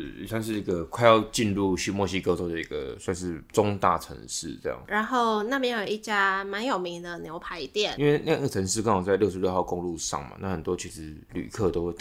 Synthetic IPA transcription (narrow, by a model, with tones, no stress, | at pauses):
ḭ˨˩swa˥˧nʂɻ̩˥˩i˧˥ɡə˨kʰwa˥˧ɪjɑ˥˧ʊt͡ɕi˥˧nlu˥˧ɕy˥˧mwɔ˥˩ɕi˦˥ko˥ɔ˥˩d̪ə˨ḭ˧˥ɡə̰˨swa˥˧nʂɻ̩˥˩t͡so˦˥ŋt̪a̰˥˩ʈ͡ʂʰə̰˧˥ŋʂɻ̩̰˥˩t͡sɤ˥˧jɑ̰˥˩ŋɻa˧˦nxo˥˩ʊna˥˩pjɛ˥˩njo˨˩i˥˩t͡ɕja˥ma˧˥njo˨˩ʊmi˧˥ŋd̪ə˨njo˧˥ʊpʰa˧˥ɪi˧t̪jɛ˥˩ni˦nwe˥˧na˥˩a˥˩ə˩t͡sʰə˧˥ŋʂ̬ɻ̩˥˩kʰa˥ŋɑ˨˩ŋt͡sa˥˧ɪljo˥ʊʂɻ̩˧jo˥˧xɑ˥˩ʊko˥˧ŋlu˥˧ʂɑ̰˥˩ŋma̰˨˩na˥˩xə˨˩nt̪wɔ˥˦t͡ɕʰi˧˥ʂɻ̩˧˦ | ly̰˨˩kʰɤ˥˨t̪o˥ʊxwe˥˩ɪt̪